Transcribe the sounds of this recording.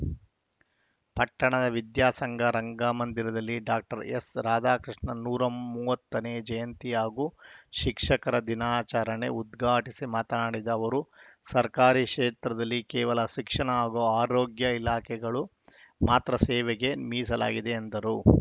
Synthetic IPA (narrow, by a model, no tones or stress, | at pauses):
pɐʈːɐɳɐd̪ɐʋid̪jaːsɐŋɡɐɾɐŋɡaːmɐnd̪iɾɐd̪ɐlːiɖaːk̚ʈɐɾesɾaːd̪aːkɾiʂɳɐnuːɾɐmuːʋɐt̪ːɐneːd͡ʒɐjɐnt̪iaːɡuʃikʂɐkɐɾɐd̪inaːt͡ʃaːɾɐɳe̞ud̪ɡʱaːʈisimaːt̪ɐnaːɽid̪ɐːʋɐɾusɐɾkaːɾiʃɛːt̪ɾɐd̪ɐlːikɛːʋɐlɐʃikʂɐɳɐaːɡoːaːɾoːɡjɐilaːkʰɛɡɐɭu | maːt̪ɾɐsɛːʋɛɡe̞miːs̬ɐla̰ːɡid̪e̞ːnd̪ɐɾu